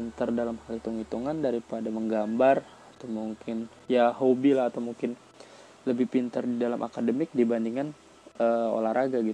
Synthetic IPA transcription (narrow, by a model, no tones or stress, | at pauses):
nt̪ardalamhalit̪uŋit̪uŋandaɾipadaməŋɡambar | at̪awmuŋkʰɪn | jahobilaɦat̪awmuŋkɪn | ləbɪhpint̪ardidalamʔa̰kadəmɪk̚dibandiŋan | ʔəo̰lahɾʔaɡaɡit̪